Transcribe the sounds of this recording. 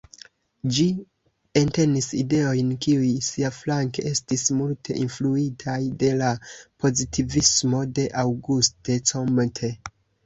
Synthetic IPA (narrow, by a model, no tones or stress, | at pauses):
d͡ʒi | ente̞niside̞o̞jnkiujsiaflaŋkeʔe̞stismultʰe̞̰ʔinfluitʰajde̞lapʰo̞zitʰivismo̞de̞ʔawɡustet͡somtʰe